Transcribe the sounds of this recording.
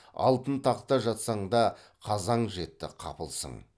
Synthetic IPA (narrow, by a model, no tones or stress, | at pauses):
ɑ̰lˠt̪ənt̪ʰɑqt̪ɑʒɑt̪sɑɴd̪ɑ | qʰɑzɑɴʒe̞t̪ːɪ̰qʰɑ̰pəlˠsə̰ɴ